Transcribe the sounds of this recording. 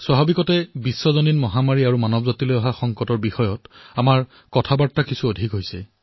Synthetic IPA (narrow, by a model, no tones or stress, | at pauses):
swaɦabikɔtɛbisːɔzɔninmɔɦamaɹiaɹumanɔbɔzatilojɔɦaxɔŋkɔtɔɹbixɔjɔtamaɹ | kɔtʰabaɹtːakisʰuodʱikɦojsɛ